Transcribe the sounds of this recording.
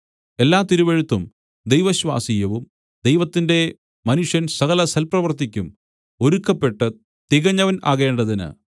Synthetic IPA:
e̞lːaːt̪iɾuʋeɻut̪ːum | d̪ejʋɐɕwa̰ːsijɐʋum | d̪ejʋɐt̪ːinde̞ | mɐnuʂjɐnsɐɣɐlɐsʰɐlprɐʋɐrt̪ːikʲːum | o̞ɾukːɐpːe̞ʈːɨ | t̪iɣɐɲːɐʋɐna̰ːɣe̞ːɳɖɐðinɨ̰

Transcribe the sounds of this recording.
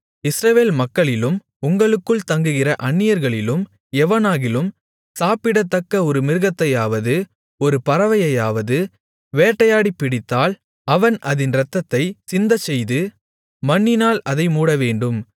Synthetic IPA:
ɪsɾɐʋeːlmɐkːɐɭɪlɯm | ʊŋɡɐɭɯkːɯɭt̪ɐŋɡɯɣɪrɐʔɐɳːɪjɐɾɣɐɭɪlɯm | ɛʋɐnaːɣɪlɯm | saːpɪɽɐt̪ːɐkːɐɔɾɯmɪɾɯɣɐt̪ːɐjaːʋɐðɯ | ɔɾɯpɐɾɐʋɐjɐjaːʋɐðɯ | ʋeːʈːɐjaːɽipːɪɽɪt̪ːaːl | ɐʋɐnʔɐðɪnɾɐt̪ːɐt̪ːɐɪsɪnd̪ɐt͡ʃːɛjðɯ | mɐɳːɪnaːlɐðɐɪmuːɽɐʋeːɳɖɯm

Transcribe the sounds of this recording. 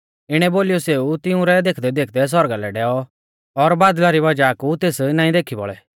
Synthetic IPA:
ɪɽ̃ɛboːlijɔseːut̪ɪũɾɛd̪eːkʰd̪ɛd̪eːkʰd̪ɛs̬ɔɾɡalɛɖɛːɔ | ɔɾbaːd̪laɾiβɐd͡ʒakut̪eːsnãːĩd̪eːkʰibɔ̰ɭɛ̰

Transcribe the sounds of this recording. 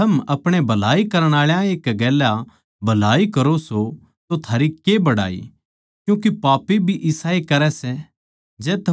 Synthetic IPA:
t̪ɐmɐpɽ̃ebʱɐlaːikɐɾəɽ̃aːɭjãeːkɡɛːla | bʱɐlaːikɐɾoso | t̪ot̪ʰaːɾikebɐɽa̰ːḭ | kjũːk̬ipaːpibʱiʔɪsaːekɐɾɛsɛ | d͡ʒɛːt̪ʰɐ

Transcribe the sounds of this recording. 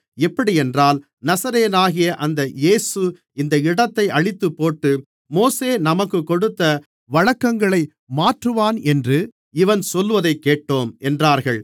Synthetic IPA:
ɛpːɐɽɪɛndraːl | nɐsɐɾeːnaːɣɪjɐʔɐnd̪ɐjeːsɯ | ɪnd̪ɐɪɽɐt̪ːɐɪʔɐɻɪt̪ːɯpːoːʈːɯ | moːseːnɐmɐkːɯkːɔɽɯt̪ːɐ | ʋɐɻɐkːɐŋɡɐɭɐɪ | maːʈrɯʋaːnɛndrɯ | ɪʋɐnsɔlːʋɐðɐɪkːeːʈːoːmʔɛndraːɾɣɐɭ

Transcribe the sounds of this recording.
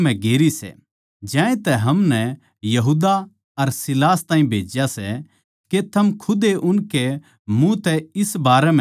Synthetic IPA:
mɛ̃ɡeːɾisɛ̰ | d͡ʒãːẽt̪ɛɦɐmnɛ | jɐɦuːd̪a | ɐɾsɪlaːst̪aːĩbʱḛːd͡ʒjasɛ | ket̪ʰɐmkʰʊd̪eʔʊnke | mũt̪ɛɪsbaːɾɛm̃

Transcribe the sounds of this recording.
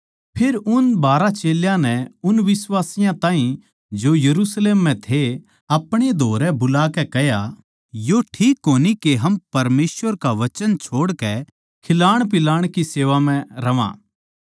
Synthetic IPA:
pʰeːɾʊnbaːɾat͡ʃeːljãnɛʊnʋɪsʋaːsɪjãt̪ãːɦĩ | d͡ʒojɐɾuːsleːmːɛ̃t̪ʰe | ɐpɽ̃ed̪ʱoːɾɛbʊlaːkɛkɛɦja | joʈʰiːkɦoːnikeɦɐmpɐɾmeːsʋəɾkaʋɐt͡ʃənt͡ʃʰoːɽkɛ | kʰɪlaːɽ̃pɪlaːɽ̃kiseːʋam̤ɛ̃ɾɐʋã̰ː

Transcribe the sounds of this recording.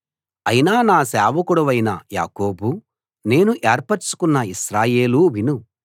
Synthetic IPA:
ɐjinaːnaːsɛːʋɐkuɽɐʋɐjnɐ̰ja̰ːko̞ːbu | ne̞ːnuʔeːɾpɐɾt͡ʃu̥kunːɐisɾaːje̞ːluʋinu

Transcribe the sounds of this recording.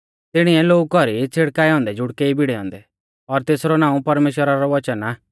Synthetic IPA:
t̪ɪɽ̃iɛloːkɔɾit͡sʰeɽkaːjɔ̃ːnd̪ɛd͡ʒʊɽkeibɪɽɛɦɔ̰̃ːnd̪ɛ | ɔɾt̪eːsɾɔnãːũpɐɾmeːʃwəɾaɾɔʋɐt͡ʃəna

